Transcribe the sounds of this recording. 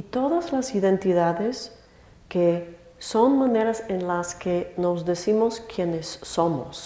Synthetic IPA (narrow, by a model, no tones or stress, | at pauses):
it̪oðazlasiðent̪iðaðes | ke | so̞nmaneɾasenlaskenozðesimoskjenesːomo̰s